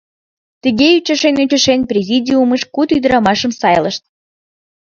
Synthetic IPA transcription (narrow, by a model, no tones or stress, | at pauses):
t̪əɣeyt͡ɕəʃenut͡ɕə̆ʃenprʲezʲidʲiuməʃkut̪yd̪ɾɑmɑʃəmsɑjləʃt̪̚